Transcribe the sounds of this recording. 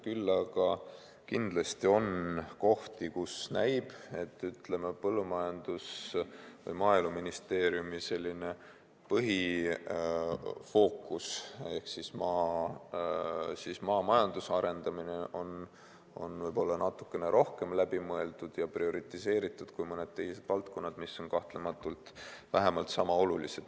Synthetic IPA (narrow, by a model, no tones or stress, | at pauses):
kylːɑɡɑ | kind̪̥lɑst̪io̞nko̞ht̪ikusnæjb̥e̞t̪ːˑyt̪le̞mepɤlːumɑjɑnd̪̥us | vɤ̰jmɑːjluminist̪e̞ːɾijumise̞lʲːine̞ | pɤɦi | fo̞ːkːˑuse̞hksismɑː | sismɑːmɑjɑnd̪usɑɾe̞nd̪̥ɑmine̞ʔo̞n | o̞̰nvɤjbo̞lːɑnɑt̪ːˑu̥kːˑe̞ne̞ɾʔo̞hke̞mlæbimɤe̞ld̪̥ud̪̥jɑprio̞ɾit̪ise̞ːɾit̪ːˑud̪̥kujmɤne̞d̪̥̚t̪ːe̞ɦise̞d̪̥vɑlt̪ko̞nːɑd̪̥misːo̞nkɑht̪le̞mɑt̪ːˑult̪væɦe̞mɑlt̪sɑmɑo̞lulḭse̞d̪